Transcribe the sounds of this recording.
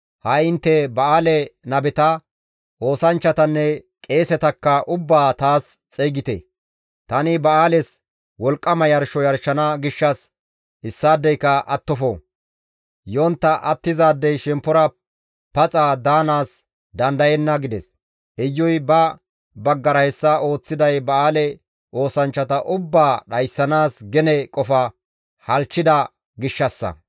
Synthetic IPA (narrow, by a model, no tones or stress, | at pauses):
hɐjɪnt̪ːɛbɐaːlɛnɐbɛt̪ɐ | ʔo̞ːsɐnt͡ʃːɐt̪ɐnːɛkʼe̞ːsɛt̪ɐkːɐʔʊbːaːt̪aːs | t͡sʼɛjɡɪt̪ɛ̰ | t̪ɐnɪbɐaːlɛs | wɔlkʼːɐmɐjɐɾʃɔjɐɾʃɐnɐɡɪʃːɐs | ɪsːaːd̪ːɛjkːɐʔɐt̪ːɔfo̰ː | jo̞ːnt̪ːɐʔɐt̪ːɪzaːd̪ːɛjʃɛmpːɔɾɐ | pɐt͡sʼaːd̪aːnaːs | d̪ɐnd̪ɐjɛnːɐɡɪd̪ɛs | ɛjːɔjbɐ | bɐɡːɐɾɐhɛsːɐo̞ːt͡sːɪd̪ɐjbɐaːlɛ | ʔo̞ːsɐnt͡ʃːɐt̪ɐʔʊbːaːɗɐjsːɐnaːsɡɛnɛkʼɔfɐ | hɐlt͡ʃːɪd̪ɐ | ɡɪʃːɐsːɐ̰